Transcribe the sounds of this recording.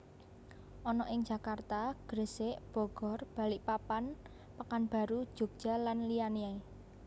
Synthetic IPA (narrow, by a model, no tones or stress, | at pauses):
ʔɔnɔʔɪŋd͡ʒ̥ä̤kart̪aɡ̥ɾəseʔb̥ɔ̤ɡ̥ɔ̤rb̥a̤lɪʔpapan | pakanb̥a̤ɾud̥ʒ̥o̤ɡ̥̚ʒ̥a̤lanlijaniae